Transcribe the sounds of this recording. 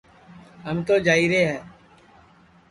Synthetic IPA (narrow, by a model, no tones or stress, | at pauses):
ɦəmt̪oːd͡ʒaːiːɾeːɦɛː